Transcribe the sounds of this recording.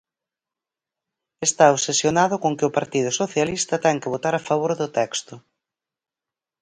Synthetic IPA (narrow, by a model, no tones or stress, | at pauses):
est̪aosesjonaðʊkoŋkɪʊpaɾt̪ið̞ʊsoθjalist̪ɐt̪ɛŋkɪβ̞ot̪aɾafaβ̞oɾðʊt̪ɛkst̪ʊ